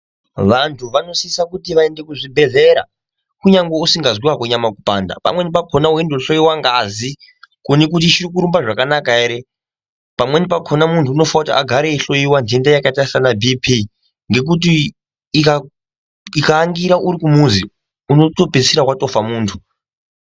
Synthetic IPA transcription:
ʋantʰuʋano̞siisakutiʋaende̞kuʐibʱe̞ɮe̞ɾa̰ | kuɲaŋɡeusiŋɡazwiwakwoɲamakupa̰ːnda̰pa̰mwe̞nip̬akʰo̞nawendoɬo̞iwaŋɡazi | konik̬ut̬it͡ʃirik̬uɾumbaʐakanakaeɾe | pamwe̞nipakʰo̞namuntʰuːno̞faakutiʔa̰ɡʱaɾeːɬo̞jiwandie̞ndajakatarisanabʱipʰi | ŋɡe̞k̬ut̬i | ka | ikaːŋɡiɾauɾikumuzi | uno̞to̞pesiɾakwato̞famuːntʰu̥

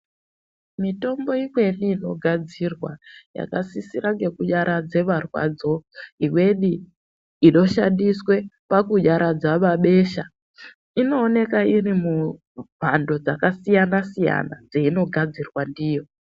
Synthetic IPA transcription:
mito̞mbo̞imwe̞niːno̞ɡʱad͡zirwaja̰kasisiɾaŋɡe̞kuʄaɾad͡ze̞ʋarwa̰d͡zo̞iwe̞ɗi | iɗo̞ʃandiswe̞pakuʄaɾad͡zaʋaɓe̞ʃa | ino̞ːne̞kairimu | bʱando̞d͡zakasijanasija̰na̰d͡zeino̞ɡʱad͡zirwandiːjo̞

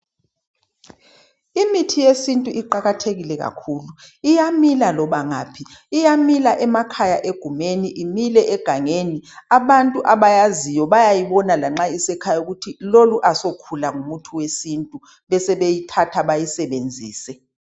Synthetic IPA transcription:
imitʰijesintʼuʔiǃaɣatʰeɣilɛɣa̰kʰuːluijamilalɔβaŋa̰ːpʰiːjamilaʔɛmakʰajaʔeɡ̥ʱumeniʔimilɛʔɛɡ̥ʱaŋeːniaβantʼuʔaβajazijɔβajajiβɔnalaŋ͡ǁaisɛkʰajauɣutʰiloluʔasokʰulaŋumutʰuwesintʼu | βɛsɛβejitʰatʰaβajisɛβend͡zʱḭːsɛ

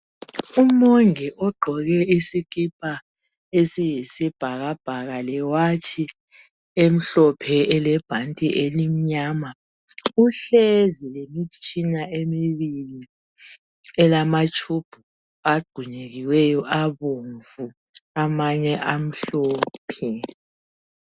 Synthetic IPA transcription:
umoŋiʔɔɡ͡ǃʱɔɣɛisikʼip̚ʰʼa | esijisib̥ʱaɣab̥ʱaɣalɛwat͡ʃʰʼi | em̩ɬɔpʰɛɛlɛb̥ʱantʼiʔelim̩ɲaːma | uɬezilemit͡ʃʼinaemiβili | ɛlamat͡ʃʼʰub̥ʱu | aɡ͡ǃʱuɲeɣiwejɔʔaβuɱvu | amaɲɛʔam̩ɬoːpʰi

